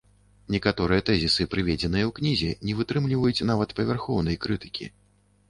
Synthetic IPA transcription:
nʲɛkat̪ɔɾɨjɛt̪ɛzʲisɨpɾɨvʲɛd͡zʲɛnɨjɐwknʲizʲɛnʲɛvɨt̪ɾɨmlʲivɐjut͡sʲn̪avɐt̪pɐvʲɛrxɔwn̪ɐjkɾɨt̪ɨ̥kʲḭ

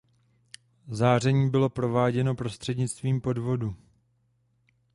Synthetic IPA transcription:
zaːr̝ɛɲiːbɪlo̞pɾo̞vaːɟɛno̞pɾo̞st̪r̝̥ɛdɲɪt͡st̪viːmpo̞dvo̞du

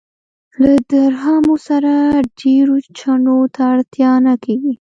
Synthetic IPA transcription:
lad̪aɾhɑmosaɾaɖeɾot͡ʃaɳot̪aːɽt̪jɑnakeɡi

